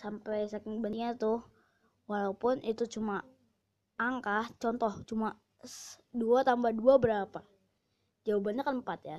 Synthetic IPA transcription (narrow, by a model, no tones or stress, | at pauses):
sampɛjsakɪŋbəniɲat̪ʊh | walaupʊnʔit̪ut͡ʃuma | aŋkaht͡ʃɔnt̪ɔht͡ʃuma | sduat̪ambahduabəɾapa | d͡ʒawabanɲakanəmpat̪ja